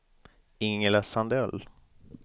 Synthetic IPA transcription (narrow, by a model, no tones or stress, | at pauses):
ɪŋlasand̪ɛl